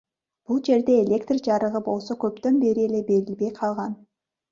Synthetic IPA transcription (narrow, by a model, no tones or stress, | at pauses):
b̥ulˠd͡ʒe̞ɾd̪e̞ːlʲe̞kt̪rd͡ʒɑɾəʁəbo̞lˠsokʲʰɵp̚t̪ønbe̞ɾɪe̞lebe̞ɾɪlbe̞jqʰɑlˠʁɑn